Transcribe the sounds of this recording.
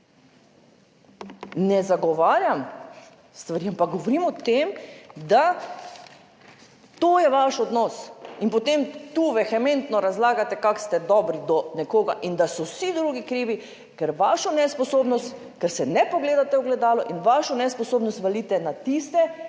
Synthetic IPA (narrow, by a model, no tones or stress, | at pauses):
nɛzaɡɔʋaːɾjam | st̪ʋaɾiːampak̚ɡɔʋɔɾiːmɔt̪emd̪a | t̪oːjɛʋaʃɔd̪nɔːsinpɔt̪emt̪uːʋɛxɛmẽnt̪nɔɾazlaːɡat̪ɛkakst̪ɛd̪ɔːbɾid̪ɔnɛkoːɡaʔind̪asɔwsid̪ɾuːɡikɾiːʋi | kɛɾʋaːʃɔnɛspɔsoːbnɔst̪ | kɛɾsɛnɛpɔɡleːd̪at̪ɛuɡlɛd̪aːlɔʔinʋaʃɔnɛspɔsoːbnɔst̪ʋaliːt̪ɛnat̪ist̪ɛ